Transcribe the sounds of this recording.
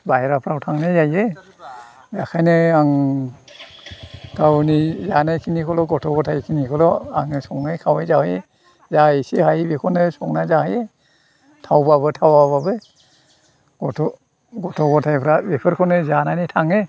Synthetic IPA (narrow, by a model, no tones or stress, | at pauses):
baheɾapʰɾawtʰaŋnazaje | akʰajnɯaŋ | ɡawnizanajkʰinikʰɔlɔɡɔtʰɔɡɔtʰajkʰinikʰɔlɔa̰ŋsɔŋnajkʰawejzahe | zajsehajbekʰɔnɯsɔŋnazahaje | tʰawbaβɯtʰawababɯ | ɡɔtʰɔ | ɡɔtʰɔɡɔtʰajpʰɾabepʰɯɾkʰɔnɯzananitʰaŋe